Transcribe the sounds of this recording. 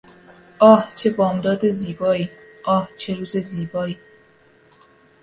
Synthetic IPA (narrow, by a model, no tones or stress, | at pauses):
ʔɒːht͡ʃʰe̞bɒːmd̪ɒːd̪eziːbɒːiːʔɒːht͡ʃʰeɾuːzeziːbɒːiː